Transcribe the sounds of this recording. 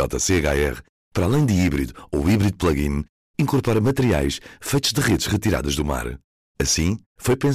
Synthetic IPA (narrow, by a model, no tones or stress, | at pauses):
ɔt̪ɐseɣaɛʁ | pɐɾalˠɐ̃j̃d̪ɨiβɾiðuowiβɾiðuplˠɐɣḭ̃n | ĩŋkuɾpɔɾɐmɐt̪ɨɾia̰jʃfɐjt̪uʒðɨʁeðʃʁɨt̪iɾa̰ðɐʒðuma̰ɾ | ɐsĩ | fojpẽ